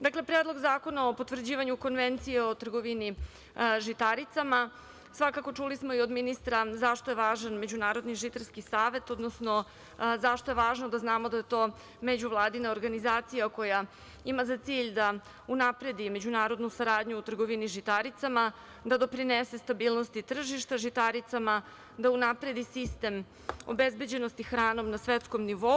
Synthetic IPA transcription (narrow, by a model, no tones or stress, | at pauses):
d̪aklepɾed̪lˠo̞ɡzaːko̞naopot̪ʋr̩d͡ʑiːʋaɲuko̞nʋent̪sijeo̞t̪r̩ɡoʋini | ʒit̪aɾit̪sama | sʋakako̞t͡ʂulismoio̞d̪minist̪ɾazaʃt̪o̞je̞ʋaːʒanme̞d͡ʑunaːɾo̞d̪niʒit̪aɾskisaːʋe̞t̪o̞d̪nosno̞ | zaʃt̪o̞je̞ʋaːʒnod̪aznaːmo̞d̪aje̞t̪o̞ː | me̞d͡ʑuʋlˠaːd̪inaoɾɡanizaːt̪sijako̞ja | imazat̪siːʎd̪a | unapɾe̞d̪ime̞d͡ʑunaːɾo̞d̪nusaɾaːd̪ʲɲuːt̪r̩ɡo̞ʋiniʒit̪aɾit̪sama | d̪ad̪o̞pɾinese̞st̪abiːlˠno̞st̪it̪r̩ʒiʃt̪aʒit̪aɾit̪sama | d̪aunapɾe̞d̪isist̪e̞m | o̞̰be̞zbe̞d͡ʑe̞no̞st̪ixɾaːno̞mnasʋe̞t̪sko̞mniʋo̞u